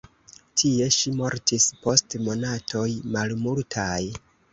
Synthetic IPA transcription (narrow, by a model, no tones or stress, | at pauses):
tʰie̞ʃimo̞ɾtʰispo̞stmo̞natʰo̞jmalmultʰaj